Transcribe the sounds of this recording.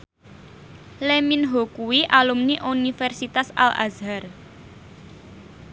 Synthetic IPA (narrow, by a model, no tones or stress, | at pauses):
leminɦokuwiʔalumniʔunifɛrsit̪asa̰la̰zɦar